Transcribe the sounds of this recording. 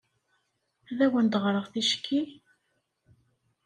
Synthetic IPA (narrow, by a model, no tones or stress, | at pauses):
æðæwənd̪ʁɾˤəʁθiʃkʰːi